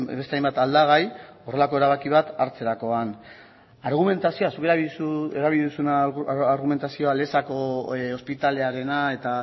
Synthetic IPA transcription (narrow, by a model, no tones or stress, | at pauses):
best̪eajmbat̪ald̪aɣ̞ajore̞lako̞e̞ɾaβakiβ̞at̪aɾt͡se̞ɾako̞an | aɾɣ̞ume̞nt̪asio̞asuke̞ɾasueɾaβiliðusunaaɾɣume̞nt̪asio̞ale̞sako̞o̞spit̪ale̞aɾe̞nae̞t̪a